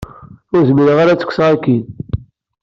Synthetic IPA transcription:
ʊɾzmiɾəʁaɾat͡sːə̥kʷːsʁakːin

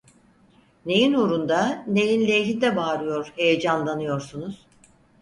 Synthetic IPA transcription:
ne̞jinuɾund̪ane̞jinlʲejɦind̪ɛbaːɾɯjo̞ɾhejed͡ʒanlˠanɯjo̞ɾsunuz̥

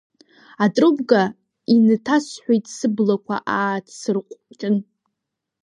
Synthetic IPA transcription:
atʼrɨbɡa | inɨtʰasħʷejtʼsɨblakʷʰa̰ʔaːtʰsɨrqʷʼt͡ʃʼɨn

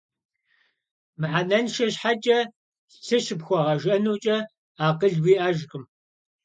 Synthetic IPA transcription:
mɨʕanɐnʃɐɕħat͡ʃʼɐ | t͡sʰɨɕɪpxʷɔʁɐʒɐnuːt͡ʃʼɐ | aːqəɮwiːʔaːʒkʼɨm

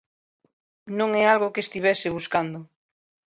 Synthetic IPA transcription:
nõŋɛalɣokest̪iβɛsɪβuskand̪o

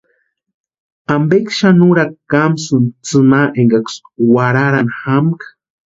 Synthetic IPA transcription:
ambekʃanuɾakamsunt͡sɨnaʔeŋɡakswaɾaɾanxamkḁ

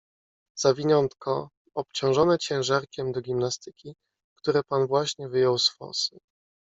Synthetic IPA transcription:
z̥avʲiɲɔnt̪kʰɔ | ɔpt͡ɕɔ̃w̃ʐɔnɛt͡ɕɛ̃w̃ʐaɾkʲɛmd̪ɔɡʲimnast̪ɘkʲi | kt̪uɾɛpanvwaɕɲɛvɘjɔwsfɔ̰sɨ

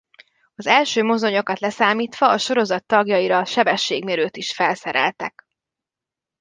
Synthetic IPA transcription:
ɒzɛlʃøːmo̞zo̞ɲo̞kɒt̪lɛsaːmiːt̪ʋɒːʃo̞ɾo̞zɒt̪ːɒɡjɒjiɾɒʃɛbɛʃːeːɡmeɾøːt̪iʃfɛlsɛɾɛ̰lt̪ɛk

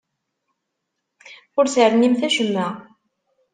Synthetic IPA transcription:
ʊɾsəɾnimθæʃəmːæ

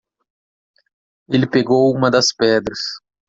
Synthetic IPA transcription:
elɪpeɡowũmɐd̪ɐspɛd̪ɾɐs

